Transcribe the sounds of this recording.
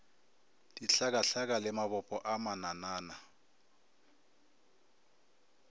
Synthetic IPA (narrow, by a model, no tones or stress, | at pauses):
d̥iɬak̬ʼaɬak̬ʼalɪmaβɔpʼɔʔamananaːna